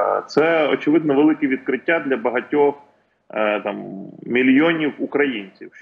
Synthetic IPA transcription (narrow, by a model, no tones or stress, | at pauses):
t̪sɛɔ̰t͡ʃɪʋɪd̪nɔʋelˠɪkɪʋʲid̪̚kɾɪtʲːad̪lʲɐbɐɦɐtʲɔx | t̪ammʲilʲjɔnʲiwukɾɐjinʲt͡sʲiw